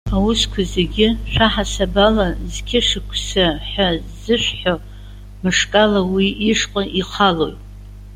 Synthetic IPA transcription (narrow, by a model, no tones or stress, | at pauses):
awʊskʷʰaze̞ɡʲɪʃʷᶣaħasabalazkʲʰɪʂɨkʷʰsaħazɨʃʷᶣħo | mɨʂkʼalawiʔːʂqʼaʔiχʰalo̞̰jtʼ